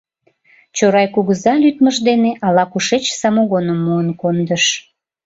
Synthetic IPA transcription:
t͡ɕoɾɑjkuɣəzɑlyt̪məʒd̪eneʔɑlɑkuʃet͡ɕsɑmoɣonəmːuənkond̪əʃ

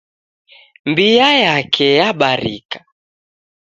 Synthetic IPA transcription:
mbijajakʰɛjaɓaɾḭkḁ

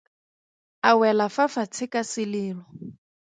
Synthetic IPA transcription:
awɛlafafat͡sʰɪkasɪlɪːlɔ

